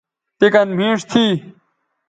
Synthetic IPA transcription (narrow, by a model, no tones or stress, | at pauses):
t̪ekɐnm̤ĩːʂt̪ʰiː